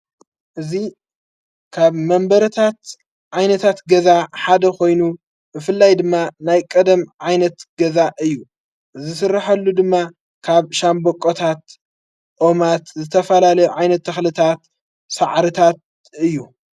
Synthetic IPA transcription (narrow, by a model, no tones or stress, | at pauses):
ʔɨzi | kʰaβmɐmbɐɾɐt̪ʰat̪ | ʕajnɐt̪ʰat̪ɡɐzaħad̪ɐkʰo̞jnu | bɨfɨlːajd̪ɨmːanajkʼɐd̪ɐmʕajnɐt̪ɡɐzaʔɨjːu | ʔɨzɨsɨrːaħɐlːud̪ɨmːa | kʰaβʃambokʼot̪ʰat̪ | ʔo̞mat̪zɨt̪ʰɐfɐlalɐjuʕajnɐt̪ʰːɐxlɨt̪ʰat̪ | saʕɾɨt̪ʰat̪̚ | ɨjːu